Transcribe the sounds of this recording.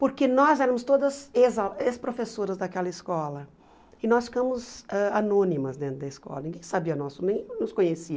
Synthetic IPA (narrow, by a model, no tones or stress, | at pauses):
poɾkenɔzɛɾɐmʊst̪od̪ɐzezaespɾofesoɾɐzd̪ɐkɛlɐɪskɔlɐ | ɪnɔsfi̥kɐ̃mʊzɛanõnimɐzd̪ẽnt̪ɾʊd̪ɐiskɔ̰lɐnĩŋɡẽj̃sabiɐnɔsʊnẽj̃nʊskõɲesiɐ